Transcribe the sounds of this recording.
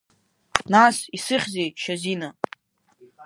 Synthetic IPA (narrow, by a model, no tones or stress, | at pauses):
nasisɨχʲzejʃazina